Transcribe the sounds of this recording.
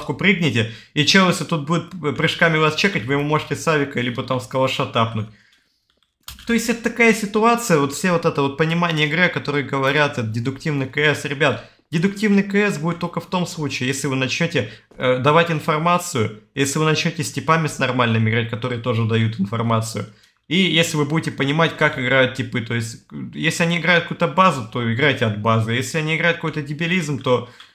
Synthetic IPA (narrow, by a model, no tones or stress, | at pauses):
t̪kʊpɾʲɨɡ̚nʲɪtʲɪit͡ɕelˠesʲɪt̪ut̪̚budʲɪt̪̚pɾʲɨʂkamʲɪvast͡ɕekətʲvɨjɪmumo̞ʐɨtʲɪsavʲɪkəlʲibət̪amskəlˠɐʂɐt̪apnʊt̚ʲ | t̪o̞ɪsʲtʲɛt̪ət̪ɐkajəsʲɪt̪ʊat̪sɨjəvo̞t̪fsʲevo̞t̪ɛt̪əvo̞t̪̚pənʲɪmanʲɪjəɪɡɾɨɐkɐt̪o̞ɾɨjəɡəvɐɾʲat̪ɛt̪̚dʲɪd̪ʊktʲivnɨkəɛsɾʲɪbʲat̪ | dʲɪd̪ʊktʲivnɨjkəɛsbudʲɪt̪ːolʲkəft̪o̞mslˠut͡ɕɪːjesʲlʲɪvɨnɐt͡ɕnʲotʲɪ | əd̪ɐvatʲɪnfɐrmat̪sɨjʊjesʲlʲɪvɨnɐt͡ɕnʲotʲɪsʲtʲɪpamʲɪsnɐrmalʲnɨmʲɪɡɾat̚ʲkɐt̪o̞ɾɨjət̪o̞ʐɨd̪ɐjut̪ɨɪnfɐ̰rmat̪sɨjʊ | ijesʲlʲɪvɨbudʲɪtʲɪpənʲɪmatʲkakɪɡɾajʊt̪̚tʲɪpɨt̪ojɪsʲtʲjesʲlʲɪɐnʲiɪɡɾajʊt̪̚kəkuut̪əbazʊt̪o̞ɪɡɾajtʲɪɐd̪bazɨjesʲlʲɪɐnʲiɪɡɾajʊt̪kɐkojt̪ədʲɪbʲɪlʲizmt̪o̞